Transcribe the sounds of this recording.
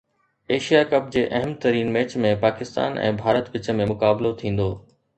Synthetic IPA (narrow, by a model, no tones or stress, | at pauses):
eːʃijakɐp̚d͡ʑeːʔɐɦəmt̪ɐɾiːnmeːt͡ɕmẽpaːkɪst̪a̰ːnʔɛ̰̃ːbʱaːɾət̪ʋɪt͡ɕə̆mẽmʊkaːblot̪ʰĩːn̆d̪oː